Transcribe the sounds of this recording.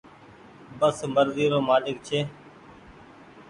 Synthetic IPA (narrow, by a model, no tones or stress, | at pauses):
bəsməɾziːɾoːmaːlɪk̚t͡ʃʰeː